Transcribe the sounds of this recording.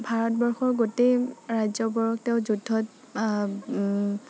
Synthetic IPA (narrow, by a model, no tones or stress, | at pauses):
bʱaɹɔtbɔɹxɔɹɡoteɹajzɔbɔɹɔktɛʊzudʱːɔt